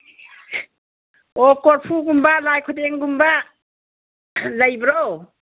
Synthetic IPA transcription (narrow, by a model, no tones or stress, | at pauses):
ɔkɔɾpʰuɡumbalajkʰɔdeŋɡumba | lajbɾow